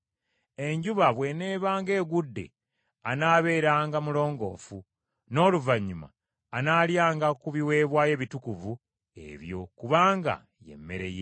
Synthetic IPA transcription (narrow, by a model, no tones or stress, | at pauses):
e̞ɲɟuβaβwe̞neːβaːŋɡe̞ːɡudːe̞̰ | anaːβe̞ːɾaːŋɡamulo̞ːŋɡo̞̰ːfu | no̞ːluvaɲːuma̰ː | naːljaːŋɡakuβiwe̞ːβwaːje̞βitukuvu | e̞̰βjo̞kuβaːŋɡa̰ | je̞̰mːe̞̰ɾe̞̰jḛ